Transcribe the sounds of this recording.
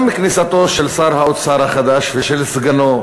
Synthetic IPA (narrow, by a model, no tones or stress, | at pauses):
miknisat̪o̞ʃelsaʁhaot̪saʁhaχad̪aʃveʃelsɡano̞